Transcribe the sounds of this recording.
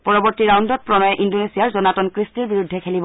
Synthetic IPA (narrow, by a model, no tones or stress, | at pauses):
pɔɹɔbɔɹtiɹawndɔt̚pɹɔnɔjɛʔindonesijaɹzɔnatɔnkɹistiɹbiɹudʱːɛkʰelibɔ